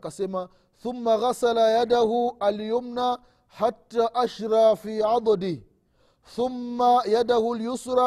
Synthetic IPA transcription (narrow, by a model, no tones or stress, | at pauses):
kasema | θʊmːaɣasalajad̪ahʊaljʊmna | ħat̪ːaːʔaʃɾˤɑːfiːʕɑd̪ˤd̪ɪ | θʊmːajad̪ahʊljʊsɾˤɑː